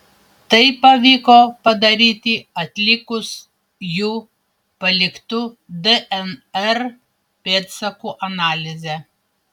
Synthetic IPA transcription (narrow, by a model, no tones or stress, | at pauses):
t̪ɐɪpːɐʋʲiːkoːpɐd̪ɐɾʲiːt̪ʲiɐt̪ʲlʲɪkʊs | juː | pɐlʲɪkt̪ʊ | d̪ɛʔɛnɛɾ | pʲeːt̪sɐkuːʔɐnɑːlʲɪzʲɛ